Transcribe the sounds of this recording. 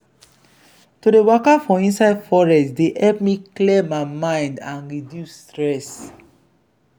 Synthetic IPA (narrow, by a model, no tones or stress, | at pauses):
tudewɔkafɔ̃ĩnsaɪdfɔɹɛstdehɛlpmikliemaɪmãɪ̃ndãnɹidjustɹɛs